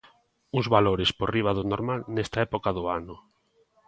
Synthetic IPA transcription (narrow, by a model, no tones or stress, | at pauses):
uzβaloɾɪsporiβ̞aðʊnoɾmalnɛst̪aɛpokaðʊanʊ